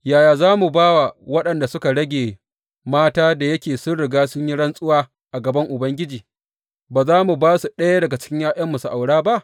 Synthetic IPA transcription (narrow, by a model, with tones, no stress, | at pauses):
jaː˨jaː˨zaː˦mu˨baː˦wa˨wɐ˦ɗɐ˨nda˨sʊ˦ka˨ɽɐ˦ɡʲeː˨ | maː˦taː˦da˨jɐ˦kʲeː˨sʊ˦nɽɪ˨ɡaː˦sʊ˦ɲji˦ɽɐ˦nsʼʊ˦waː˦ | ʔa˨ɡɐ˨bɐ˦ŋʔʊ˨bɐ˦ŋɡʲɪ˦d͡ʒiː˨ | baː˨zaː˦mu˨baː˦su˨ɗɐ˦ja˦dɐ˨ɡa˨t͡ʃɪ̥˦kʲɪ˦ɲjaː˦ʔɐ˦mːʊ˨su˨ʔa˨wɽaː˦ba˦ʔ